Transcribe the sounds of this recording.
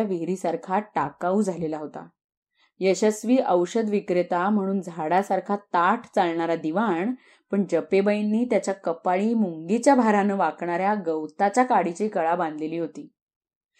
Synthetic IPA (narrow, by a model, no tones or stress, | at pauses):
aʋiɾiːsaɾkʰaʈakaud͡zʱalelaɦot̪a̰ | jəɕəsʋiːʔəwɕəd̪ʋikɾet̪am̤əɽ̃uːnd͡zʱaɽasaɾkʰat̪aʈʰt͡salɳaɾad̪iʋaɳ | pəɳd͡ʑəpebəjnːiːt̪jat͡ɕjakəpaɭiːmuŋɡet͡ɕjabʱaɾanəʋakɳaɾjaɡəwt̪at͡ɕjakaɽit͡ɕiːkəɭabãnd̪leliːɦot̪iː